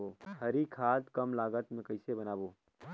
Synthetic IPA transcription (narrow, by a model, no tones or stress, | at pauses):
oːhʰəɾikʰaːt̪kəmlaːɡət̪mẽkəɪsebənaːboː